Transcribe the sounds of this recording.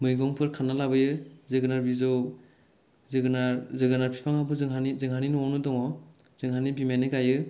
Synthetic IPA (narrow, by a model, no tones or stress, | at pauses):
mɯjɡɔŋpʰɯɾkʰanalabɯjɯzɯɡɯnaɾbizɔw | zɯɡɯnazɯɡɯnaɾpʰi̥pʰaŋhabʰɯzɯŋɦanizɯŋɦaninɔɔnɯdɔŋɔz̥ɯŋɦanibimanɯɡajɯ